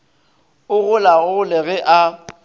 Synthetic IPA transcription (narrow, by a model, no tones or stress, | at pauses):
ʊɣʊlaɣʊʊlɪɣɛʔa